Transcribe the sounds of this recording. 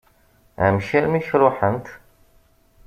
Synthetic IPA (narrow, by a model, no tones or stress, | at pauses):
æ̰mʃælmiçɾʊħənt̪